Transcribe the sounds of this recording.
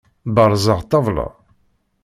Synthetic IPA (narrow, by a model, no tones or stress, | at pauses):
bɑɾˤzˤəʁt̪ːɑvˤlɑ̰